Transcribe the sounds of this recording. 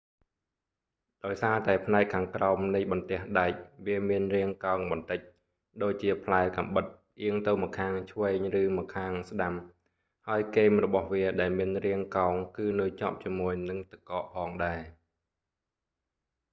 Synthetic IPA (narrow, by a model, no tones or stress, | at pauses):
ɗaɔjsaːt̪aɛpʰnaɛkkʰːaːŋkraɔmnɨjɓɑnt̪ɛ̆əhɗaɛc̚ʋiəmiənriəŋkaɔŋɓɑnt̪ɨc̚ | ɗoːc̚t͡ɕiəpʰlaɛka̰mɓɨt̪̚ | ʔiəŋt̪ɨwmɔkʰːaːŋt͡ɕʰʋɛːɲrɨːmɔkʰaːŋsɗam | haəjkeːmrɔɓɑhʋiəɗaɛlmiənriəŋkaɔŋkɨːnɨəjt͡ɕŏp̚t͡ɕiəmuəjnɨŋt̪ɨkːɑːʔpʰɑːŋɗaɛ